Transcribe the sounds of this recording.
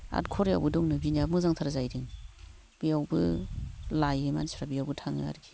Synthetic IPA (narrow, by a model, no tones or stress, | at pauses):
a̰tkʰɔɾja̰wbɯdɔŋnɯbinamɯzaŋtʰaɾazajɾiŋ | b̥ijawbɯ | lajɯma̰nisɾabijawbɯtʰaŋɯ̰a̰ɾkʰi̥